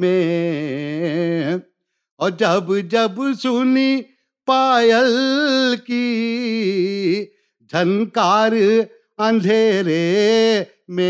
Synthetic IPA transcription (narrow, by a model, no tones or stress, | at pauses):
me | ɔːɾd͡ʒɐbd͡ʒɐbsʊni | paːjəlki | d͡ʒʱɐnkaːɾ | ɐ̃nd̪ʱeːɾe | mẽ